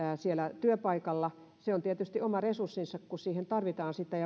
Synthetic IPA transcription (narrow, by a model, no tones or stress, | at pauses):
sielæt̪yøpɑikɑlːɑ | seont̪iet̪yst̪iomɑresursːinsɑkkusiːhent̪ɑrʋit̪ɑːnsit̪ːæjɑ